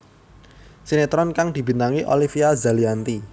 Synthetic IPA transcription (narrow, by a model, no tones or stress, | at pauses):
sinet̪ɾɔnkaŋd̪̥i̤b̥i̤naŋiʔo̰lifiazaliant̪i